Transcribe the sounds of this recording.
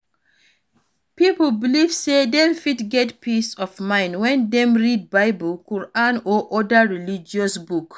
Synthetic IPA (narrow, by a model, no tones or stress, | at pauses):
pipl̩bilivsedɛ̃mfidɡɛtpisɔfmãɪ̃ndwɛ̃ndɛ̃mɹid̚baɪbəlkuɹãnoʔɔdaɹilid͡ʒiɔsbuk